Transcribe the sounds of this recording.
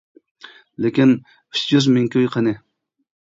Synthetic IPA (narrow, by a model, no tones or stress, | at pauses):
lekʲin | yt͡ʃjyzmɪŋkʲʰøjqʰənɪ